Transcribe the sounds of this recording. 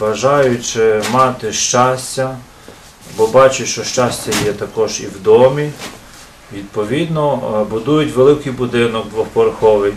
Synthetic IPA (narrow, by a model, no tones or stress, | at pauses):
ʋɐʒɑjʊt͡ʃɪmɑt̪ɪʃt͡ʃɑsʲtʲɐ | bɔbɑt͡ʃɪtʲʃt͡ʃɔʃt͡ʃɑsʲtʲːɐjɛt̪ɐkɔʒiwd̪ɔmʲi | ʋʲid̪̚pɔʋʲid̪nɔbʊd̪ujʊtʲʋelˠɪkɪjbʊd̪ɪnɔkd̪ʋɔhpɔɾɐxɔʋɪj